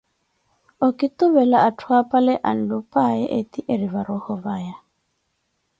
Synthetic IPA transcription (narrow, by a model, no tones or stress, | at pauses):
okit̪uβɛlaatʰwapalɛʔa̰n̩dupaɛʔet̪iʔeɾiβaɾɔhɔβaja